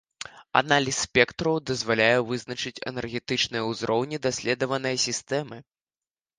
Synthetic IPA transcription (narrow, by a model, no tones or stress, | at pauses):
a̰nalʲisʲːpʲɛkt̪ɾɐwd̪ɐzvalʲajɛvɨznɐt͡ʂɨt͡sʲɛ̰nɛrɣʲɛt̪ɨt͡ʂnɨjɐuzɾɔwnʲid̪asʲlʲɛd̪ɐvɐnɐjɐsʲist̪ɛmɨ